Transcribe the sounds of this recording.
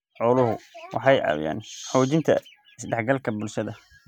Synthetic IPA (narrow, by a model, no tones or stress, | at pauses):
ʕɔlʊɦʊwɑ̰ħɑjʔɑ̰wja̰ːnħɔːt͡ʃɪnt̪ʰɐ̰ | ɪsdɛħɡɐlkʰɐbʊlʃɐðɐ